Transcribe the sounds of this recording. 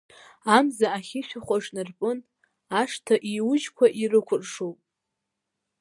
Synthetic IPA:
amzaaχʲiʃᶣaχʷaʐnɨrpʼɨn | aʂtʰaʔiwʊd͡ʒkʷʰaʔirɨkʷʰʊrʼʂowpʼ

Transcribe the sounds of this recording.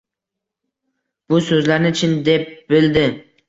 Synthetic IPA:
b̥ʊsɵzlaɾnɪʊt͡ʃʰɪnd̪e̞p̚b̥ɪld̪ɪ

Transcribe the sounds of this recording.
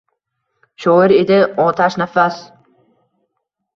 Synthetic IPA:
ʃɔɪɾed̪ɪɒt̪ʰaʃnafas

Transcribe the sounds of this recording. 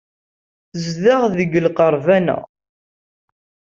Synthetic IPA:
θəzðaʁðəɡəlqəɾˤvænæ̰

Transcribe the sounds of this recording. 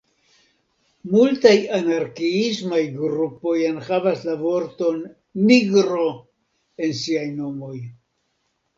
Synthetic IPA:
multajanaɾkiismajɡɾupo̞janxavaslavo̞ɾto̞nː | iɡɾo̞ | e̞nsiajno̞mo̞j

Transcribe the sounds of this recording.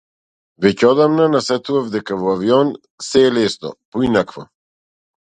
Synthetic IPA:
vɛcɛɔd̪amnanasɛt̪uvafd̪ɛkavɔaviɔn | sɛːlɛsnɔ̰pɔinakvɔ̰

